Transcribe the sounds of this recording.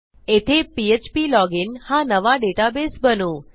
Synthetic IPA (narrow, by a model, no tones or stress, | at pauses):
et̪ʰepiet͡ʃpilɔɡɪnhãnəʋaɖeʈabesbənũ